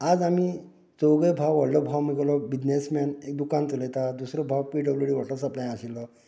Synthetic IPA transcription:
ad͡zami | t͡sɔwɡəjbʱawʋaɽlɔbʱawmiɡlɔbid͡ʑnesmanek̚d̪ukant̪uləjt̪ad̪usɾɔbʱawpiɖəbleɽiːʋaʈlɔsəplãj̃aɕilːɔ

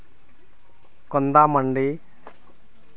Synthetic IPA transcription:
kɔnd̪amɐɳɖi

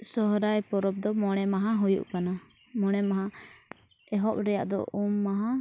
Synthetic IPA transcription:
sɔɦɾajpɔɾɔp̚d̪ɔmɔɽ̃ɛmaɦaɦujṵʔkana | mɔɽ̃ɛmaɦa | ɛɦɔʔ̚ɾɛja̰ʔd̪ɔ̰ʔumːaɦa

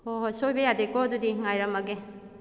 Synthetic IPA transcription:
oɦsojbajadekɔdudiŋajɾamaɡe

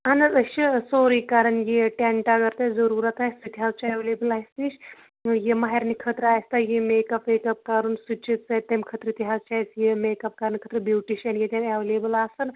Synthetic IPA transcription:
anɐzəʃisoːɾikaɾɐnjiʈeɳʈaɡɐɾt̪ezɐɾuːɾat̪ast̪it̪ʲiɦaːzt͡ʃeʋlebəlaːjst̪iʃ | jemaɦeɾnikʰət̪ɾajst̪ajimekɐpekɐp̚kaɾuːnsut͡ʃit̪sajt̪ːemkʰət̪ɾəit̪ʲiɦaːzt͡ʃat͡sjemekɐp̚kaɾɐnkʰət̪ɾəbjuʈiʃanjet̪ʲaneʋlebəlaːsɐn

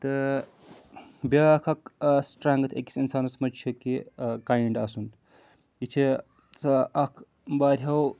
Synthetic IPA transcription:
t̪ɨ | bʲɐkʰɐksʈɾaːŋɡɐt̪ʰeki̥sinsaːnɐsɐmɐt͡ʃʰɐkikajiɳɖaːsun | it͡ʃʰi | t͡sɐɐkʰ | baːɾʲɦɐw

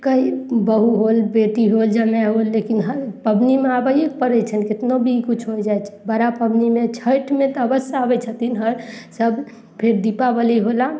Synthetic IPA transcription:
kəibəɦuɦolbeʈ̪iɦold͡ʒəmɛɦolːekinɦəpəbnimeabəjepəɾɛt͡ʃʰəlket̪nobʱikut͡ʃʰɦojd͡ʒajt͡ʃʰɛ̥bəɾapəbnimet͡ʃʰəʈʰmẽt̪ɔəbəsaabɛt͡ʃʰət̪inɦəɾsəb | pʰeɾd̪ipabəliɦola

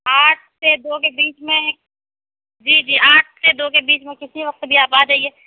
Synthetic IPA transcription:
aːʈʰsed̪oːkebiːt͡ʃmẽ | d͡ʒiːd͡ʒiːʔaːʈʰsed̪oːkebiːt͡ʃmẽkɪsiʋɐq̚t̪bʱiaːpaːd͡ʒaːieː

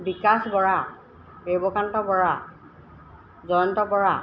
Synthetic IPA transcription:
bikasbɔɹa | bebɔkantɔbɔɹa | zɔjɔntɔbɔɹa

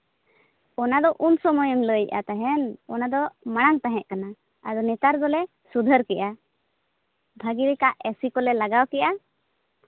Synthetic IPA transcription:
ɔnad̪ɔʔunsɔmɔjɔŋləjʔa̰t̪aɦɛnɔnad̪ɔmaɽ̃aŋt̪aɦɛ̃ʔkana | ad̪ɔnɛt̪aɾd̪ɔlɛ | sud̪ʱəɾkɛʔa | bʱaɡiɾikaʔɛsikɔlɛlaɡawkɛʔa

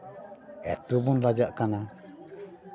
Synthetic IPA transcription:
ɛ̰t̪ubunɾad͡ʒaʔkana

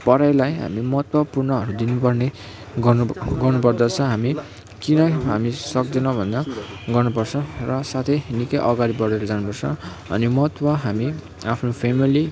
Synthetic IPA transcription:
pʌɾajlajɦa̰mimʌɦʌt̪wʌpurnʌʌɾud̪inupʌrne | ɡɡʌrnupʌrd̪ʌt͡sʰʌ̃ɦami | kinʌɦamisʌk̚d͡zʌnʌbʱʌnd̪ʌ | ɡʌrnupʌrt͡sʰʌ̃rʌsat̪ʰʌjinikʌjʔʌɡaɾibʌɾeɾʌd͡zanupʌrt͡sʰʌ̃ | ʌ̰nimʌɦʌt̪wʌɦami | apʰnopʰemili

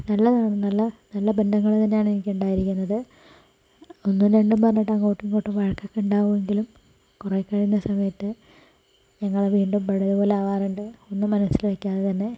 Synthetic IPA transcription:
nɐlːɐkaːɳunːɐlːɐnɐlːɐbend̪ʱɐŋːɐɭt̪ɐnːejaːɳenikʲːuɳɖaːjiɾikʲːunːɐðɨ | o̞nːuneɳɖumpɐrɐɲːiʈːɐŋːoːʈːiŋkoʈːumʋɐɻɐkːɐkːeuɳɖaːʋume̞ŋɡilum | kurekːɐɻijunːɐsɐmɐjɐt̪ːɨ | ɲɐŋːɐɭeʋiːɳɖumpɐɽɐðupo̞ːleɐʋaːruɳɖɨo̞nːumːɐnɐsːilʋekʲːaːðet̪ɐnːe̞

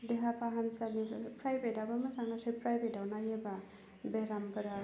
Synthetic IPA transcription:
deɦapʰaɦamsanipɾajbetawbamazaŋasɯjpɾajbedawnajeba | beɾampʰɐɾa

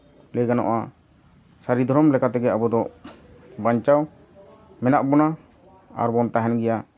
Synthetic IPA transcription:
lɛɡanɔ̰ʔa | saɾid̪ʱɔɾɔmlɛkat̪ɛɡɛabɔd̪ɔ | baɲt͡ʃaw | mɛnaʔbɔna | a̰ɾbɔnt̪aɦɛnɡɛja

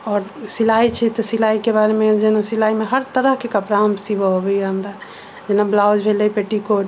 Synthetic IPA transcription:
ɔːɾsilait͡ʃʰɛt̪ɔsilaikebaɾemed͡ʒenasilaimeɦəɾt̪əɾəɦkekəpɾamsibəɦobɛjɛɦəmɾa | d͡ʒenablawd͡ʒbʱelɛpeʈikoʈ

